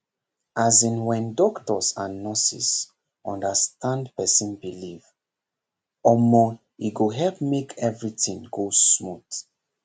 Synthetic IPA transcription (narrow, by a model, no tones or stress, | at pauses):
azĩnwɛ̃ndɔktɔsãnːɔsḭs | ʔɔ̃ndəstʰãndpɛsĩnbiliv | ɔmɔ | iɡoɦɛlpmekʰɛvɹitĩŋɡosmut